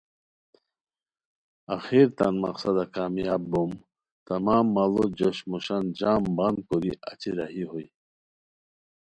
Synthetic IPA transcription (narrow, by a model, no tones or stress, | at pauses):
axiɾt̪anma̰qsad̪akaːmijabbum | t̪amaːmːalod͡ʑoɕmuɕand͡ʑaːmband̪̚kuɾia̰t͡ɕiɾahiɦoj